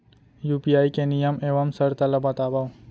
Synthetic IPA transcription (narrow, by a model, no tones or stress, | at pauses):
jupiaːjkenijəmeʋamsəɾt̪aləbat̪abaw